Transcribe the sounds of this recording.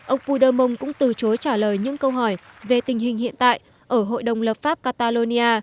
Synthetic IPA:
ʔə˧wŋ͡mpu˧ɗəː˧mʊ˧wŋ͡mkʊ̰˧˥ŋ͡mt̪ɨ˨˩t͡ɕo˨˦jt͡ɕaː˧˩ləː˨˩jɲɨ̰˧˥ŋkə˧wɦɔ˧˩jve˨˩t̪ï˨˩ŋ̟ɦï˨˩ŋhḭ˧˨ənt̪a̰ː˧˨jʔ | ʔəː˧˩ɦo̰˧˨jɗə˨˩wŋ͡mlə˨˩p̚faː˦˥p̚kaː˧t̪aː˧lo˧ni˧ʔaː˧

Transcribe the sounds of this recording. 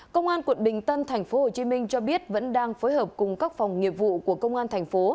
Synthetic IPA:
kə˧wŋ͡mʔaː˧nkwə̰˧˩˨nɓï˨˩ŋ̟t̪ə˧nt̪ʰa˨˩jŋ̟fo˨˦ho˨˩t͡ɕi˨˦mï˧ŋ̟t͡ɕɔ˧ɓi˦˥ət̚və̰˧˥nɗaː˧ŋfoː˨˦jɦəː˨˩p̚kʊ˨˩ŋ͡mkaː˦˥k̚fa˨˩wŋ͡mŋi˨˩əp̚vṵ˧˨ku˧˩əkə˧wŋ͡mʔaː˧nt̪ʰa˨˩jŋ̟fo˨˦

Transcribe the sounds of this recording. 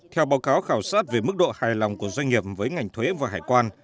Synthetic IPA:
t̪ʰɛ˧wɓaː˨˦wkaː˨˦wxaː˧˩wsaː˦˥t̚ve˨˩mɨ˦˥k̚ɗo̰˧˨haː˨˩jlɔ˨˩wŋ͡mku˧˩əzwa˧ŋ̟ŋi˨˩əp̚vəː˨˦jŋa˨˩jŋ̟t̪ʰoː˨˦hḭ˧˥vaː˨˩ɦaː˨˩jkwaː˧n

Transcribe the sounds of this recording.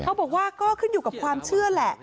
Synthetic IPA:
kʰa˧˩bɔː˨˩k̚waː˥˩kɔː˥˩kʰɯ˥˩njuː˨˩ka˨˩p̚kʰwaː˧mt͡ɕʰɯ˥˩ɐlɛ˨˩ʔ

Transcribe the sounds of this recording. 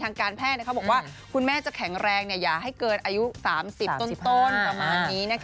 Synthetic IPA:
aː˧ŋkaː˧npʰɛː˥t̪̚nː˥˩ka˦˥bɔ˨˩kwaː˥˩ | kʰu˧nmɛː˥˩t͡ɕa˨˩kʰɛ˩˦ŋɾɛː˧ŋni˥˩ɐjaː˨˩k̚ɦa˥˩jkɤː˧nʔaː˧ju˦˥saː˩˦msi˨˩pt̪o˥˩t̪o˥˩npɾa˧maː˧nːiː˦˥na˥˩

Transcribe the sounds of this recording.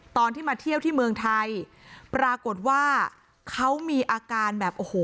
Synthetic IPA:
t̪ɔː˧nt̪ʰiː˥˩maː˧t̪ʰi˥˩əwt̪ʰiː˥˩mɯ˧əŋt̪ʰa˧j | pɾaː˧ko˨˩t̪̚waː˥˩ | kʰa˦˥wmiː˧ʔaː˧kaː˧nbɛː˨˩p̚ʔoː˨˩hoː˨˩

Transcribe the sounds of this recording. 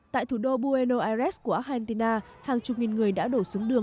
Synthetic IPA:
t̪a̰ː˧˨jt̪ʰu˧˩ɗo˧ɓu˧e˧no˧ʔaː˧zɛ˦˥sku˧˩əʔaː˦˥a˧nt̪i˧naː˧ | haː˨˩ŋt͡ɕʊ˨˩k͡p̚ŋi˨˩nŋɨ˨˩əjɗa̰ː˧˥ɗo˧˩su˨˦əŋɗɨ˨˩əŋ

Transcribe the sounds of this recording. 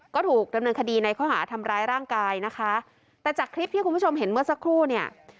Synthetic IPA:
kɔː˥˩t̪ʰuː˨˩k̚da˧mnɤː˧nkʰa˧diː˧na˧jkʰɔː˥˩ɦa̰ː˩˦t̪ʰa˧mɾaː˧jɾaː˥˩ŋkaː˧jna˦˥kʰa˦˥ | t̪ɛː˨˩t͡ɕaː˨˩kʰɾi˦˥p̚t̪ʰiː˥ku˧npʰt͡ɕʰo˧mɦe˩˦nmɯ˥˩ɐsa˦˥kʰɾuː˥˩ni˥˩ɐ

